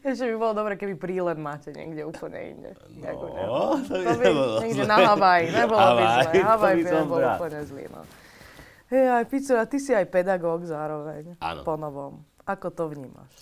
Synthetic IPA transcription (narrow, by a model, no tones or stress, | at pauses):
ɛʒɛbibɔlɔd̪ɔbɾɛːkɛbipɾiːlɛmmaːcɛɲɪɛ̰ɡɟɛuːpl̩ɲɛ̰ḭnɟɛ̰ | da̰kuɲɛ̰ɔbiɲɛɡdɛnaɦaʋajiɲɛbɔllɔbizɛɦaʋajbiɔbɔllɔupl̩ɲɛzlḭːnɔ̰ | ɦɛajpit͡sɔat̪isiajpɛd̪aɡɔːɡzaːɾɔʋɛɲa̰pɔnɔʋɔm | akɔt̪ɔʋɲiːma̰ʃ